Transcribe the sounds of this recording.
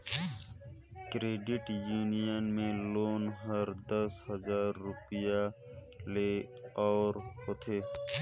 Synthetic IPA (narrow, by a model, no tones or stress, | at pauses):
kɾeːɖɪʈjuːnijənmẽloːnɦɐɾd̪əshəzaːɾːʊpija | leːɔːɾhoːt̪ʰeː